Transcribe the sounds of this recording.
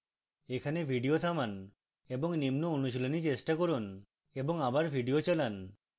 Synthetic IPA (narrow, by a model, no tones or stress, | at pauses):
ekʰanebʱiɖiot̪ʰaman | eboŋnimnoonuʃ̬ilonit͡ɕesʈakoɾun | eboŋabaɾbʱiɖiot͡ɕalan